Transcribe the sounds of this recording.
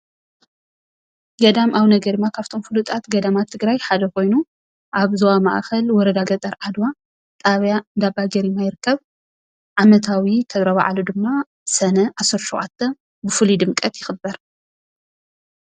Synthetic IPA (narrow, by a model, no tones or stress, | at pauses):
ɡɐd̪amʔaβnɐɡɐɾd̪ɨmːakʰaβt̪ʰo̞mfɨlut̪ʼat̪ɡɐd̪amat̪ʰːɨɡɾajħad̪ɐkʰo̞jnu | ʔaβzɐwama̰ʔxɐlwɔɾɐd̪aɡɐt̪ʼɐɾʕad̪wa | t̪ʼaβjaɨnd̪abaɡɐɾimajɪɾɨkːɐβ | ʕamɐt̪ʰawit̪ʰɐβɾɐβa̰ʕalud̪ɨmːa | sɐnɐʔasɐɾʃoʔʕat̪ʰːɐ | bɨfulid̪ɨmkʼɐt̪jɪxɨbːɐɾ